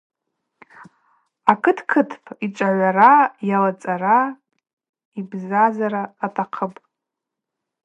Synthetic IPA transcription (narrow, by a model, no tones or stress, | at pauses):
akʰɨtʰkʰɨtʰpʰiʈ͡ʂʷʼaʕʷaɾajalat͡sʼaɾa | ibzazaɾaːtʰʼaqʰəpʼ